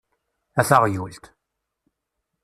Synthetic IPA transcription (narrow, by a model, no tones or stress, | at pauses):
æθaʁjult̪